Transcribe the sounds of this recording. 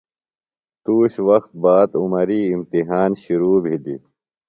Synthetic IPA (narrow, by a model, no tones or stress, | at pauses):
t̪uːɕwɐxt̪̚baːd̪umɐɾiːmt̪iɦaːnɕiɾuːbʱid̪ḭ